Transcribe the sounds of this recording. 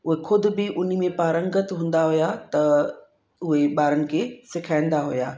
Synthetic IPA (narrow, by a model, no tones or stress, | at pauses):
ʊɦexʰʊd̪ʱʊ̆bɪʔʊn̤ĭmẽpaːɾə̃ŋɡət̪ɦũːn̆d̪aɦʊjat̪ɐ | ʊɦeɓaːɾənɪ̆kʰeːsɪkʰaːɪ̃nd̪aɦʊjaː